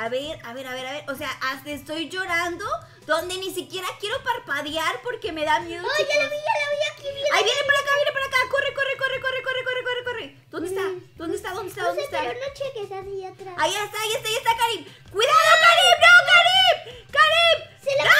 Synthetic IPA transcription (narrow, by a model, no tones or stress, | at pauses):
aβe̞ɾaβe̞ɾaβe̞ɾaβe̞ɾose̞aʔast̪eest̪o̞jd͡ʒo̞ɾand̪o̞ | ðo̞nd̪e̞nisikje̞ɾakje̞ɾo̞paɾpaðjaɾpo̞ɾke̞me̞ðamjeðalaβijalaβiakiβjeajβjenepaɾakaβjenepaɾakakorekorekorekorekorekorekorekore | d̪ond̪est̪ad̪ond̪est̪aðond̪est̪aðoneest̪anot͡ʃekesaβiat̪ɾaaiest̪aiest̪aiest̪akaɾip | kwiðaðokaɾipnokaɾipkaɾip